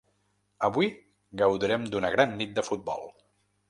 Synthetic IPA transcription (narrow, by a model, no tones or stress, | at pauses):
əβui | ɡəwðiɾɛmd̪unəɣɾanːit̪̚d̪əfut̪̚bɔ̰lˠ